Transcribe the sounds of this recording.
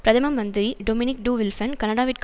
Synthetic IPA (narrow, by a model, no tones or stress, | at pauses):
pɾɐðɐmɐmɐnd̪ɪɾiɖomɪnɪk̚ɖuːʋɪlfɐnkɐnɐɽaːʋɪʈ̚k